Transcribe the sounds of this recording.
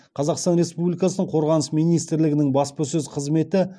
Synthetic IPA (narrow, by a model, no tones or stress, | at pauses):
qʰɑzɑqst̪ɑnɾe̞spublijkɑsənəɴqʰo̞ɾʁɑnəsmijnijst̪ɾlɪɡʲɪnɪŋbɑspəsɵzqʰəzme̞t̪ɪ